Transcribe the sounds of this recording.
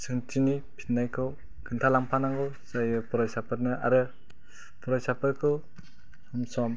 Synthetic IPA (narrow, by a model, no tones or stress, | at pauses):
sɯŋtʰinipʰi̥t̚najkʰɯw | kʰɯŋtʰalaŋpʰanaŋɡɯw | sajɯpʰɔɾɔjsapʰɯt̚nɯʔa̰ɾɯ | pʰɔɾɔjsapʰɯɾkʰɯw | sɔmsɔm